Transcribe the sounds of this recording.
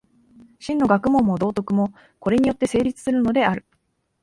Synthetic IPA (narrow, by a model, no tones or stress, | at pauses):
ɕĩnːo̞ɡakɯ̟mõ̞mːo̞d̪o̞ːt̪o̞kɯ̟mo̞ | ko̞ɾe̞ɲ̟ijo̞t̪ːe̞se̞ːɾʲit͡sɨ̥sɨɾɯ̟no̞d̪e̞aɾɯ̟